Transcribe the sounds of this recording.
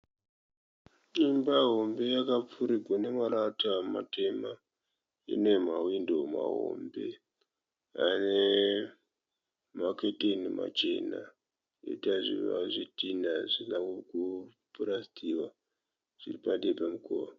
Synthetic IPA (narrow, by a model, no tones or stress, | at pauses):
ɲimbaɦo̞mbe̞jakap͡fuɾiɡʱwane̞maɾatama̰te̞ma | ḭne̞mawindo̞ma̰ɦo̰mbe̞ | ane | maketenima̰t͡ʃe̞na̰ | ḛtaʐḭʋa̰ʐitinaʐinakukupuɾasi̥tʰiwa | ʐ̥iripaɗepamukoːwa